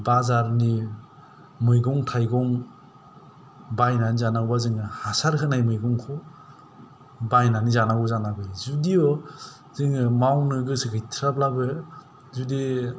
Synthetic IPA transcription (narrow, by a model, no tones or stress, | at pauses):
bazaɾni | mɯjɡɔŋtʰajɡɔŋ | bajnanizanaɡwbazɯŋɯhasaɾkʰɯnajmɯjɡɔŋkʰɔ | bajnanizanaɡɔzanabɯjzudiɔ | zɯŋɯmawnɯɡɯsɯkʰɯjtʰɾap̚labɯ | zudi